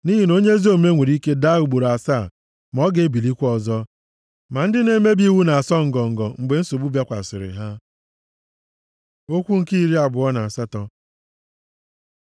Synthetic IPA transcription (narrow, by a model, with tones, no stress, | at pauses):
ni˦ɦi˦no˦ɲe˦zi˦o˦˨me˦ŋʷe˨ɾi˦ke˦da˦u˨ɡ͡bo˨ɾa˨sa˦˨ | m˨ɔ˦ɡe˦bi˨li˦kʷɔ˨zɔ˦ | ma˨n̩˦dɪ˦ne˦me˦bi˦wu˦na˨a˨sɔ˦ŋ̩˨ɡɔ˨ŋ̩˨ɡɔ˨ŋ͡m̩˨ɡ͡be˨n̩˦so˨bu˦ba˦kʷa̰˨sɪ̰˨ɾɪ̰˨ɦa˦ | o˦kʷu˦ŋ̩˨ki˦i˦ɾi˦a˨bʊ˨˦ɔ˦na˨a˨sa˦tɔ˦